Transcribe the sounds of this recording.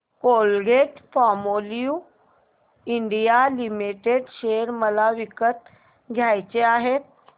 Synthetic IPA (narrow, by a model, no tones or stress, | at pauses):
kolɡeʈfɔmoliu | iɳɖijalimiʈeɕeɾməlaʋikət̪ | ɡʱjajt͡ɕeaɦet̪̚